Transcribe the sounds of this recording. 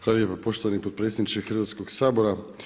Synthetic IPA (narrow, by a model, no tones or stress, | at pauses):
pɾaːʋiepapoʃt̪oʋanipot̪pɾet̪sʲed̪nit͡ʃkexɾ̩ʋat̪skoksaːboɾa